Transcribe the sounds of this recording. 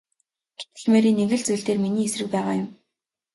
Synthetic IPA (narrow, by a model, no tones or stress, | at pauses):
ɡ̥e̥t̪ɘ̆ɮmeːɾiːnːeɣɘ̆ɮt͡sujɮt̪eːrminiːesrɘ̆k̚pæːʁaːjʊm